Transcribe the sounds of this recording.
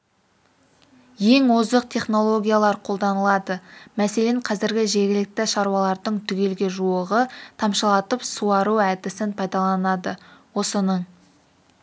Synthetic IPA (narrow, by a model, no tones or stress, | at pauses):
je̞ŋwozd̪əq̚t̪ʰe̞χno̞lˠo̞ɡʲijalˠɑɾqʰo̞lˠd̪ɑnəlˠɑd̪əmæse̞le̞ɴqʰɑzɪɾɡʲɪʒe̞ɡʲɪlɪk̚t̪ɪʃɑɾuwɑlˠɑɾd̪əɴt̪ʰʏɡʲe̞lɡʲe̞ʒuəʁət̪ʰɑmʃɑlˠɑt̪əpsuɑɾuæd̪ɪsɪnpʰɑjd̪ɑlˠɑnɑd̪əwo̞sənəɴ